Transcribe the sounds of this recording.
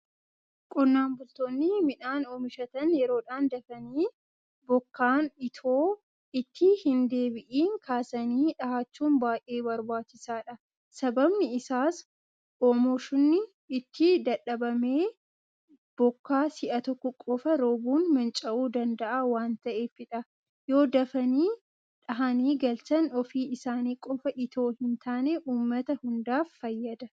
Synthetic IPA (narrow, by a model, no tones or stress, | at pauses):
kʼʊnːaːmbʊlt̪oːnːɪmɪᶑaːnoːmɪʃɐt̪ɐnjɛɾo̞ːᶑaːnd̪ɐfɐniː | bɔkːaːnɪt̪ʰoː | ɪt̪ːɪhɪnd̪e̞ːbɪʔiːŋkʰaːsɐniːᶑɐhaːt͡ʃːuːnbaːjʔʔe̞ːbɐɾbaːt͡ʃːɪsaːᶑɐ | sɐbɐbnɪɪsaːs | ʔoːmoʃʊnːɪ | ɪt̪ːɪd̪ɐᶑɐbɐme̞ː | b̥ɔkːaːsɪʔɐt̪ɔkːɔkʼɔfɐɾoːbuːnmɐnt͡ʃʼɐʔuːd̪ɐnd̪ɐʔawaːnt̪ɐʔe̞ːfɪᶑɐ | jo̞ːd̪ɐfɐniː | ᶑɐɦɐniːɡɐlsɐnɔfiːɪsaːniːkʼɔfɐʔɪt̪ʰo̞ːhɪnt̪ʰaːneʔuːmːɐt̪ɐhʊnd̪aːfːɐjːɐd̪ɐ